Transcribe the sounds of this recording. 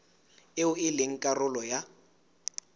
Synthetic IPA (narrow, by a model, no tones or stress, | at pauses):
ɪʊɪleŋ̩kʼarʊlɔja